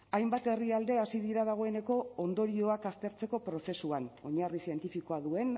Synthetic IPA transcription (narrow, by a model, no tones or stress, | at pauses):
ajmbat̪e̞riald̪e̞asiðiɾaðaɣ̞o̞e̞ne̞ko̞ond̪o̞ɾio̞akast̪e̞ɾt͡se̞ko̞pɾo̞se̞suano̞ɲarisie̞nt̪ifiko̞aðue̞n